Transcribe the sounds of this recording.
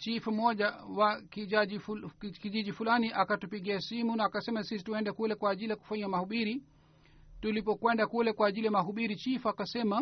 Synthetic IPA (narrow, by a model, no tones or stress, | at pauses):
t͡ʃifum̩ɔʄawakiaʄikiʄiʄifulaniʔakatupiɠiasimunaːkasɛmasis̬i̥tuɛndɛkulɛkwaːʄilijaku̥faɲamahuɓiɾi | tulipɔkwɛndakulɛkwaːʄilijamaɦuɓiɾit͡ʃifuakasɛma